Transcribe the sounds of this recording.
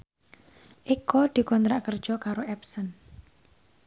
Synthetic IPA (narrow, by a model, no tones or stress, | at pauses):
ʔikɔd̪̥i̤kɔnt̪ɾaʔkərd̥ʒ̥ɔ̤kaɾoɛpsən